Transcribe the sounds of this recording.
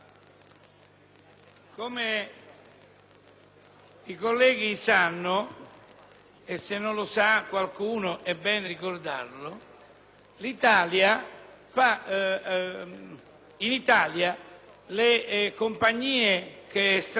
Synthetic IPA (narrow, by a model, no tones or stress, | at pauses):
kome | ikolːɛːɡisanːʊ | esːenːõnlosakːwalkuːnʊʔɛbːɛːnerikord̪a̰rlʊ | lit̪aːlja | fa | init̪aːlja | lekompaɲːiːek̟est̪